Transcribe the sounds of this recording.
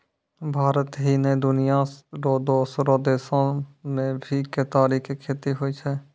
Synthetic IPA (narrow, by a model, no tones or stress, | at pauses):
bʱaːɾət̪ɦined̪ʊnijaɾoːd̪oːsɾod̪eːsõmẽbʱiket̪aːɾiːkkʰːeːt̪iɦoit͡ʃʰɛː